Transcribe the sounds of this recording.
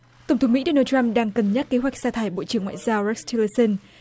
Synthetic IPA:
t̪ə˨˧˩ŋ͡mt̪ʰə˨˦wŋ͡mmḭ˧˥ɗo˧naː˧ta˧mɗaː˧ŋkə˨˩nɲə˦˥t̚ke˨˦ɦwa˨˩jk̚saː˧t̪ʰaː˨˧˩jɓo̰˧˨t͡ɕɨ˧˩əŋwa̰ː˧˨zaː˧wɹɛ˦˥k̚stʰi˧lə˧sə˧n

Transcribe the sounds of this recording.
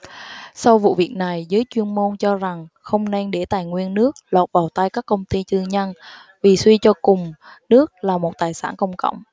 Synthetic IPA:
sa˧wvṵ˧˨vi˨˩ək̚na˨˩jzəː˨˦jt͡ɕwi˧ənmo˧nt͡ɕɔ˧za˨˩ŋxə˧wŋ͡mnɛ˧nɗe˧˩t̪aː˨˩jŋwi˧ənːɨ˦˥ək̚lɔː˨˩t̚vaː˨˩wt̪a˧jkaː˦˥k̚ːə˧wŋ͡mt̪i˧t͡ɕ̪ɨ˧˩əŋɲə˧nvi˨˩swi˧t͡ɕɔ˧kʊ˨˩ŋ͡mnɨ˦˥ək̚laː˨˩mo˨˩t̚t̪aː˨˩jsaː˧˩nkə˧wŋ͡mkə̰˧˨wŋ͡m

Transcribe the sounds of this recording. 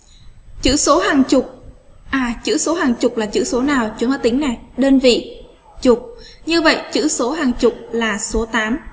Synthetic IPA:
t͡ɕɨ̰˧˥so˨˦ɦaː˨˩ŋt͡ɕʊ˨˩k͡p̚ʔaː˨˩t͡ɕɨ̰˧˥so˨˦ɦaː˨˩ŋt͡ɕʊ˨˩k͡p̚laː˨˩t͡ɕɨ̰˧˥so˨˦naː˨˩wt͡ɕɨ˨˦ŋa˨˦t̪ï˨˦ŋ̟nɛ˨˩ɗə˧nvḭ˧˨ | t͡ɕʊ˨˩k͡p̚ɲɨ˧və̰˧˨jt͡ɕɨ̰˧˥so˨˦ɦaː˨˩ŋt͡ɕʊ˨˩k͡p̚laː˨˩so˨˦t̪aː˨˦m

